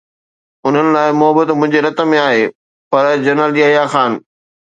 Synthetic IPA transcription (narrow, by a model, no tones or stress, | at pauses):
ʊn̤ənɪ̆laːɪmʊɦəbət̪mʊ̃ɦɪ̃ɲd͡ʑeɾɐt̪ə̆mẽaːɦeː | pɐɾd͡ʑɐɾnəlʄiaːɦijaxaːn